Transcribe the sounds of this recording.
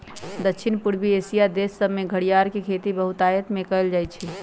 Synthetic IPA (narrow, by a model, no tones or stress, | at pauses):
d̪əkʃʰinpuɽbiesijad̪esːəbmeɡʱəɽijaɾkekʰet̪ibəɦut̪aːjət̪mẽkəld͡ʒaːjt͡ʃʰɛ